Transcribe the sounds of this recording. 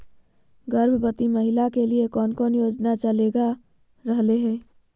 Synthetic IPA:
ɡəɾbʱbət̪iməɦɪlakeliekɔːnkɔːnjoːd͡ʒnat͡ʃəleːɡa | ɾəɦleɦɛː

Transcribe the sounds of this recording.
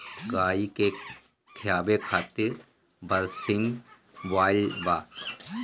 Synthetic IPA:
ɡaːike | kʰɪjaːbekʰaːt̪ɪɾ | bəlsɪ̃ŋɡ | ʋaːɪlʋaː

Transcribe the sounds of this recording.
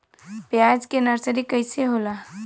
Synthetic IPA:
pjaːd͡ʒkenɐɾsəɾikəɪseɦoːlaː

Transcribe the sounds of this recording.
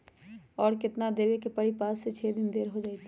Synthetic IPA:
ɔːɾkɪt̪nad̪eːʋekepəɽipaːsːet͡ʃʰɛːd̪ɪnd̪eːɾɦod͡ʒaːit̪

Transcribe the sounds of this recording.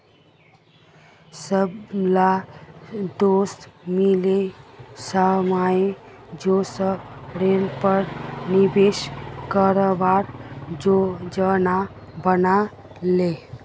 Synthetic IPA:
səbla | d̪oːst̪milesamaed͡ʒosəbɾelpəɾnibeʃkəɾobaɾd͡ʒod͡ʒəna | bəna | le

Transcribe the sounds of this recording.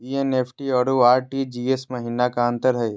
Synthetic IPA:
iːeneːpʰʈiɔːɾuaːɾʈid͡ʒiːesmɐɦiːnakaə̃nt̪əɾɦɛː

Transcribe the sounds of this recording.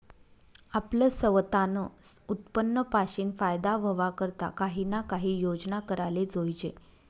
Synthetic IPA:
apləsəʋt̪anəut̪pənːəpaɕiːnfajd̪aʋəʋakəɾt̪a̰kaɦinakaɦiːjod͡znakəɾaled͡zojd͡ʑe

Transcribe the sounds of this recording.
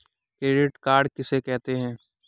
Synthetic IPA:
kɾeːɖɪʈkaːɾɖkɪsekɛɦt̪eɦɛ̃ː

